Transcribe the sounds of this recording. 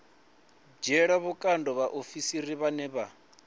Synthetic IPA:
d͡ʒɛɺaβukʼandɔβaʔofisiɾiβanɛβa

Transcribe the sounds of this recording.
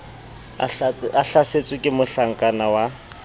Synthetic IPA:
aɬaset͡sʼwɪkʼɪmʊɬaŋ̩kʼanawa

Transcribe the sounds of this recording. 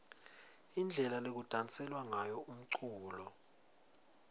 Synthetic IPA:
ind͡ɮʱɛlalek̬ud̥ʱant͡sʼɛlwaŋajɔʔum̩ǀʰuːlɔ

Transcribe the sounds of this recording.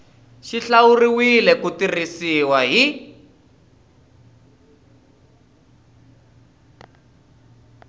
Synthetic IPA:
ʃiɬawuriwilɛkutirisiwaɦi

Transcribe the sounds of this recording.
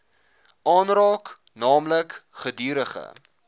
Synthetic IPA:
ʔɑːnrɑːk | nɑːmləkχədiːɾəχə̰

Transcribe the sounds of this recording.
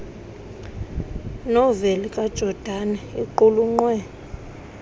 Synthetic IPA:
nɔvelikʼad̥ʒ̥ʱɔd̥ʱanɛiǃuluŋ͡ǀwɛ

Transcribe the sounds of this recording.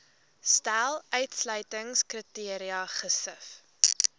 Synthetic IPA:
stælˠœɥtslœɥtəŋskritiəɾiɐχəsəf

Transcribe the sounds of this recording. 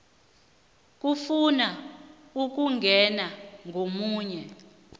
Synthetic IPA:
k̬ʼufuna | uk̬uŋɡʱɛnaŋɡʱomuːɲɛ

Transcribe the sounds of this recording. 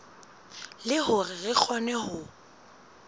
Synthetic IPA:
lɪhʊrɪrɪk͡xʰɔnɛhʊ

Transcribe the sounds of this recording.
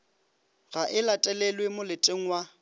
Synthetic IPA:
ɣaʔɪlatʼɛlɛlwemʊlɪtʼeŋ̩wa

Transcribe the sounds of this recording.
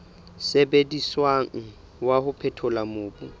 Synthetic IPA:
sebediswaŋ̩ | wahʊpʰɛtʰʊlamʊːbʊ

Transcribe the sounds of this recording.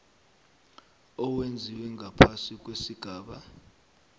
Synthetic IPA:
ɔwend͡zʱiwɛŋʱapʰasik̬ʼwesiɡ̥ʱaːɓa

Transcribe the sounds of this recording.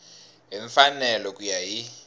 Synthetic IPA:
ɦiɱfanɛlɔkʼujaɦi

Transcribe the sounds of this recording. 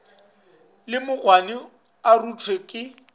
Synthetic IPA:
lɪmʊɣwanɪ | arutʰwekʼɪ

